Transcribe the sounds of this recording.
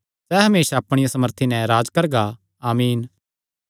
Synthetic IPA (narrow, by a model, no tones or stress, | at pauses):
sɛːɦɐmeːʃaɐpɽ̃ɪjasɐməɾt̪ʰinɛ̃ɾaːd͡ʒkɐɾɡa | aːmiːn